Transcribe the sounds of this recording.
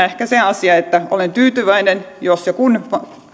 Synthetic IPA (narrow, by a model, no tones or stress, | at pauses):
ehkæseɑsiɑet̪ːæo̰lent̪yːt̪yʋæinen | josjɑkunpɑ